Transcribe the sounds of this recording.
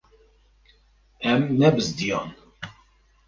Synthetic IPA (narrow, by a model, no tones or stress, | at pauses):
æmːæbəzd̪jon